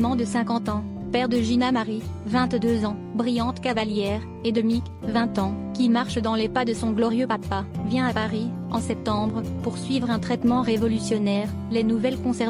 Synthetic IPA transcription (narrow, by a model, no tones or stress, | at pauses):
mɑ̃d̪əsɛ̃kɑ̃t̪ɑ̃ | pɛʁd̪əʒinamaʁivɛ̃t̪d̪øzɑ̃bʁijɑ̃t̪kavaljɛːʁ | ed̪əmik | vɛ̃t̪ɑ̃kʲimaʁʃd̪ɑ̃lepad̪əsɔ̃ɡlɔʁjøpapavjɛ̃apaʁi | ɑ̃sɛp̚t̪ɑ̃bʁəpuʁsɥivʁɛ̃t̪χɛt̪mɑ̃ʁevɔlysjɔnɛʁ | lɛnuvɛlkɔ̃sɛʁ